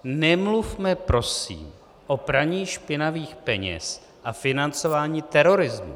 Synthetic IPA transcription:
nɛmlufmɛpɾo̞sḭːm | ʔo̞pɾaɲiːʃpɪnaviːxpɛɲɛ̰s | ʔafɪnant͡so̞vaːɲiːt̪ɛɾo̞ɾɪzmṵ

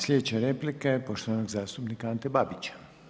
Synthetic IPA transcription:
slʲed̪et͡ɕaɾeplikajepoʃt̪oʋanoɡzaːst̪upnikaant̪ebabit͡ɕḁ

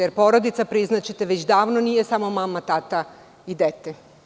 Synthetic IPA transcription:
eɾpo̞ɾod̪it̪sapɾiznat͡ɕet̪eʋet͡ɕd̪aːʋno̞nije̞samomamat̪at̪a | id̪et̪e

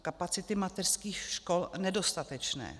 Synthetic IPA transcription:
kapat͡sɪt̪ɪmat̪ɛr̥skiːxʃkolnɛdo̞st̪at̪ɛt͡ʃnɛ̰ː

